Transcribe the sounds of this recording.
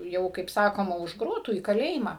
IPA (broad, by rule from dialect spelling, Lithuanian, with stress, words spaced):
ˈjɛʊ kɐɪp ˈsɑːkoːmɐ ʊʃ ˈɡroːtuː iː kɐˈlʲeːjɪmɑː